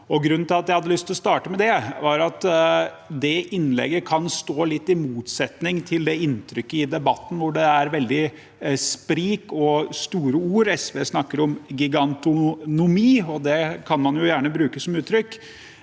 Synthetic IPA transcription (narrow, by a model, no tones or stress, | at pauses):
ɔɡɾʉnːn̩t̪ɪlɑt̪jæɪhɑd̪əlʏst̪ʰɪlɔst̪ɑːʈəmɛd̪ɛʋɑɾɑt̪ | d̪ɛʔɪnlɛ̰ɡːəkʰɑnst̪oːlɪt̪ːɪmuːt̪sɛt̪nɪŋt̪ʰɪld̪ɛɪnt̪ʰɾʏkːəɪd̪ɛbɑt̪ːn̩ʋʊɖɛæɾʋɛld̪ɪ | spɾiːkɔst̪uːɾəuːɾɛsʋḛːsnɑkːəɾɔmɡʏɡɑnt̪ʊnʊmiːɔd̪ɛkʰɑnmɑnjʊjæːɳəbɾʉːkəsɔmʉːt̪ʰːɾʏkː